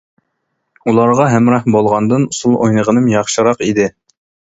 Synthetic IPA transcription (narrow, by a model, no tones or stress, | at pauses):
ulˠɑɾʁɑɦæmɾɑhbolˠʁɑnd̪ɨnusulˠojnəʁənɨmjɑχʃɨɾɑqid̪ɪ